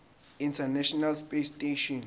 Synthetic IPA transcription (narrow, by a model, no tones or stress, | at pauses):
ĩntʰanɛʃɔnalspesteʃɔn